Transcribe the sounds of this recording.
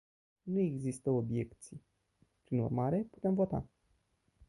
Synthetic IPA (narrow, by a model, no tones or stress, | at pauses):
nue̞ɡzist̪əo̞bje̞kt̪sij | pɾinṵrmaɾe̞pu̥t̪e̞mvo̞t̪a̰